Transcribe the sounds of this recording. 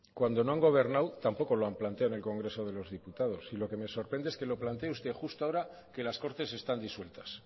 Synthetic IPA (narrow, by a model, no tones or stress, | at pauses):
kwand̪o̞noaŋɡo̞β̞e̞ɾnawt̪ampo̞ko̞loamplant̪eawene̞lko̞ŋɡɾe̞so̞ð̞e̞lo̞zðiput̪að̞o̞silo̞ke̞me̞so̞ɾpɾe̞nd̪eeske̞lo̞plant̪eust̪e̞xust̪oaoɾa | ke̞lasko̞ɾt̪e̞se̞st̪and̪iswe̞lt̪ḁs